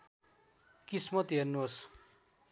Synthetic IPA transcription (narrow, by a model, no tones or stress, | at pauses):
kismʌt̪ɦernuos